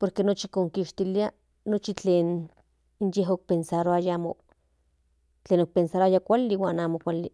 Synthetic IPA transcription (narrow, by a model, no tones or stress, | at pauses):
poɾkenot͡ʃikoŋkiʃt̪ilia | not͡ʃit͡ɬeːn | injeɦok̚pensaɾoajaːmo | t͡ɬeːnok̚pensaɾoajakʷalːiwaːnaːmokʷali